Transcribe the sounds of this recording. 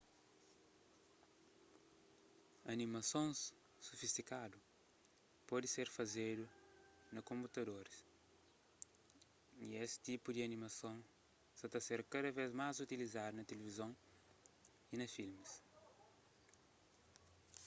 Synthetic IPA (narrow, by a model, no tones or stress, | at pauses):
ɐnimɐsõs | sofist̪ikad̪u | pɔd̪iseɾfɐzed̪u | nɐkõmput̪ɐd̪oɾis | iesi̥t̪ipud̪iɐnimɐsõw̃ | sɐt̪ɐseɾkɐd̪ɐvezmazut̪ilizad̪ɐnɐt̪elevizõw̃ | inɐfilmis